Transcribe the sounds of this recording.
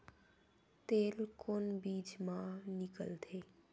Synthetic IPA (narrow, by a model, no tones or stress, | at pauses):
t̪eːlkonbiːd͡ʒmãnɪkə̰lt̪ʰeː